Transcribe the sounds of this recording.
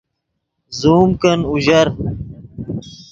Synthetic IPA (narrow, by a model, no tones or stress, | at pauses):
zuːmkɐnuʑɐɾ